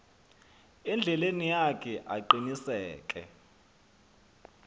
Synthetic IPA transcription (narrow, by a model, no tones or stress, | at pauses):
ɛnd͡ɮʱɛlenijakʰɛʔaǃinisɛːk̬ʼɛ̰